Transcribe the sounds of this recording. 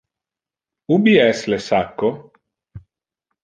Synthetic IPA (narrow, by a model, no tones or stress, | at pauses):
ubiɛslesakːo